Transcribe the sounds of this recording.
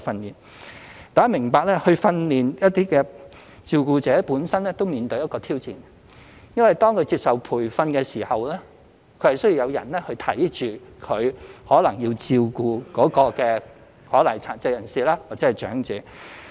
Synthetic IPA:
fɐ˧nliː˨˩n | t̪aː˨˥mɪ˨˩ŋpaː˧k̚lɛ˥hɵ˧ɥfɐ˧nliː˨njɐ˥t̚t̪iː˥kɛː˧ | t͡siː˧wkuː˧t͡sɛː˨˥puː˨˥nsɐ˥nlɛː˥t̪o˥wmiː˨nt̪ɵ˧ɥjɐ˥kɔː˧t̪ʰiː˥wt͡siː˨n | jɐ˥nwɐ˨˩jt̪ɔː˥ŋkʰɵ˨˧ɥt͡siː˧p̚sɐ˨wpʰuː˨˩jfɐ˧nkɛː˧siː˨˩hɐ˨wlɛː˥ | kʰɵ˨˧ɥhɐ˨jsɵ˥ji˧wjɐ˨˧wjɐ̰˨˩nlɛ˥hɵ˧ɥt̪ʰɐ˨˥jt͡ʃyː˨kʰɵ˨˧ɥhɔː˨˥lɐ˨˩ŋjiː˧wt͡siː˧wkuː˧kɔː˨˥kɔː˧kɛː˧ | hɔː˨˥lɐ˨˩ŋt͡sʰaː˨˩nt͡sɐ˧jɐ˨˩nsiː˨laː˥waː˨k̚t͡sɛː˨˧˥jt͡ʃœ̰ː˨˥ŋt͡sɛː˨˥

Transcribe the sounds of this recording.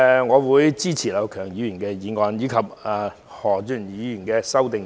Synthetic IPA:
ŋɔː˨˧wuː˨˧jt͡siː˥t͡sʰiː˨˩lɐ˨˧wkʰœː˨˩ŋjiː˨˥jyː˨˩nkɛː˧jiː˨˧ŋɔː˨˧njiː˨˧kʰɐ˨p̚ː | hɔː˨˩t͡ʃyː˨˩njiː˨˥jy˨˩nkɛː˧sɐ˥wt̪ɪ˨ŋ

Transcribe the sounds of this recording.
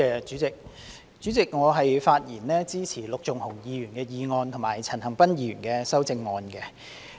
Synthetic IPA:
ɛː˧t͡syː˨˥t͡sɪ˨k̚ | t͡st͡ʃyː˨˥t͡sɪ˨k̚ŋɔː˨˧ɦɐ˨jfaː˧t̚jiː˨˩nlɛː˥t͡siː˥t͡sʰiː˨˩lʊ˨k̚t͡sʊ˨ŋhʊ˨˩ŋjiː˨˧jyː˨˩nkɛː˧jiː˧ŋɔː˧nt̪ʰʊ˨˩maː˨˩jt͡sʰɐ˨˩nhɐ˨˩ŋpɐ˥njiː˧ɥy̰ː˨˩nkɛː˧sɐ˥wt͡sɪ˧ŋːɔː˨˧nkɛ˧

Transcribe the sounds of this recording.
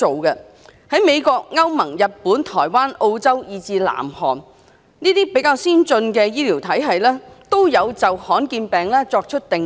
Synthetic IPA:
o˨wkɛ˧ | hɐ˨˥jme˨˧jkɔː˧k̚ŋɐ˥wmɐ˨˩ŋjɐ˨t̚puː˨˥nt̪ʰɔː˨˩jwaː˥nʔo˧wt͡sɐ˥wjiː˨˧t͡siː˧la̰ː˨˩mhɔ̰ː˨˩n | niː˥t̪iː˥pe˨˥jkaː˧wsiː˥nt͡sɵ˧nkɛː˧jiː˥liː˨˩wt̪ʰɐ˨˥jɦɐ˨jlɛː˥t̪o˥wjɐ˨˧wt͡sɐ˨whɔː˨˥nkiː˧npɛː˨ŋlɛː˥t͡sɔː˧k̚t͡ʃʰɵ˥t̚t̪ɪ˨ŋ

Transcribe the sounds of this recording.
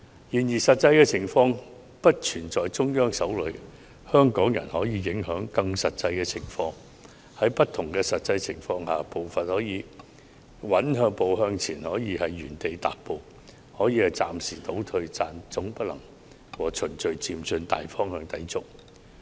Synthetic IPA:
jiː˨˩njiː˨˩sɐ˨t̚t͡sɐ˧jkɛː˧t͡sʰɪ˨˩ŋfɔː˧ŋ | pɐ˥t̚t͡ʃʰyː˨˩nt͡sɔː˨jt͡sʊ˥ŋjœː˥ŋsɐ˨˥wlɵ˨˧˥ | hœː˥ŋkɔː˨˥ŋjɐ̰˨˩nhɔː˨˥jiː˨˧jɪ˨˥ŋhœː˨˥ŋkɐ˧ŋsɐ˨t̚t͡sɐ˧jkɛː˧t͡sʰɪ˨˩ŋfɔː˧ŋ | hɐ˨˥jpɐ˥t̚t̪ʰʊ˨˩ŋkɛː˧sɐ˨t̚t͡sɐ˧jt͡sʰɪ˨˩ŋfɔː˧ŋhaː˨˩po˨wfɐ˨t̚hɔː˨˥jiː˨˧ | wɐ˨˥nɦœː˧ŋpo˨wɦœː˧ŋt͡sʰiː˨˩nhɔː˨˥jiː˨˧hɐ˨jːyː˨˩nt̪e˨jt̪a̰ː˨˩t̚po˨˧w | hɔː˨˥jiː˨˧hɐ˨jt͡sa̰ː˨msiː˨˩t̪o˨˥wt̪ʰɵ˧ɥt͡saː˧nt͡sʊ˨˥ŋpɐ˥lɐ˨˩ŋ | wɔː˨˩t͡ʃʰɵ˨˩nt͡ʃɵ˨ɥt͡siː˧mt͡sɵ˧nt̪a̰ː˨jfɔː˥ŋhœː˧ŋt̪ɐ̰˨˥jt͡sʊ˥k̚

